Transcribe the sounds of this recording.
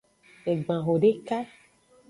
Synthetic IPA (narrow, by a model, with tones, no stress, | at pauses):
e˨ɡ͡bã˨ɦo˨ɖe˦ka˦